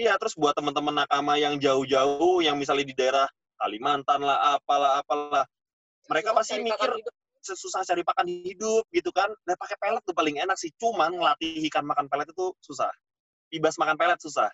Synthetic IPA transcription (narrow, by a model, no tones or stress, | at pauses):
ijat̪əɾʊsbuat̪ːəmənt̪əmənːakamajaŋd͡ʒaʊhd͡ʒaʊhjaŋmis̬alɲadidaeɾah | ka̰limant̪anlahapalaɦːpalah | məɾekapast̪imikɪr | ssusaht͡ʃaɾipakanhidʊp̚ɡit̪ukandapakepelət̪̚t̪ʊpalɪŋenaksɪht͡ʃumanməlat̪iɦikanmakanpelɛt̪̚it̪ususa̰h | bibasmakanpelət̪̚susa̰h